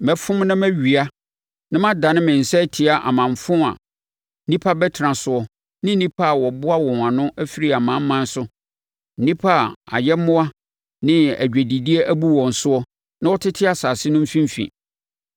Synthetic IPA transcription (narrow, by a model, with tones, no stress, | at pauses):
mɛ˨fʊ̃˦mnã˦mæ˦ɥi˨a˦ | nɪ̃˦mã˦dã˨nɪ̃˦mɪ̃˨n̩˨sɛ˦tʰɪ˨a˨ʔa̰˨mã˨m˨fʊ̃˦a̰˨˦ | nĩ˦pʰa˦bɛ˦tʰɪ˨ɾã˨sʊ˨ɔ˦ | nɪ̃˦n̩˦nĩ˦pʰa˦a˨wɔ˨bʊ˦a˦wɔ̃˨ŋã˨nʊ̃˦ʔæ˦fi˦ɾi˦a˨mã˨˦m̩ː˦ã˦n˦sʊ˦ | n̩˦nĩ˦pʰa˦˨a̰˨jɛ˦mʊ̃˦a˦ | nɪ̃˦æ̰˨d͡ʑᶣæ˨di˨di˦e˦ʔæ˦bu˦wɔ̃˨n̩˨sʊ˦ɔ˦ | nã˦wɔ˦tʰɪ˦tʰɪ˦a˨saː˨sɪ˦nʊ̃˦m̩˦fĩ˦m˦fḭ̃˨